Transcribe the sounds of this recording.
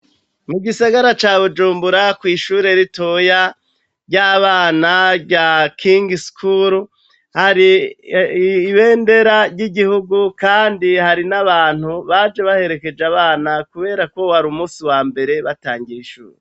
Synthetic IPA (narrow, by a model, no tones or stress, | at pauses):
muɡisaɡaɾat͡ʃaːβud͡ʒuːmbuɾakwiːʃuːɾe̞ɾitoja | ɟaβaːnaɟakʰiŋɡiskʰuɾu | haɾi | βe̞ːnde̞ɾaɾɟiɟihuɡukaːndihaɾinaβaːn̥huβaːd͡ʒe̞βahe̞ɾe̞ke̞d͡ʒaβaːnakuβe̞ːɾako̞waɾumuːsiwaːmbe̞ɾe̞βataːŋɡijiʃṵːɾe